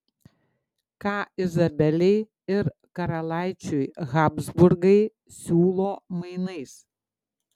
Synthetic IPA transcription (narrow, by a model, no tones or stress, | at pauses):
kɑːɪzɐbʲɛlʲɛɪ | ɪɾ | kɐɾɐlˠɑˑɪt͡ʃʲʊjɣɑbzbʊɾɡɐɪ | sʲuːlˠoːmɐɪnɐɪs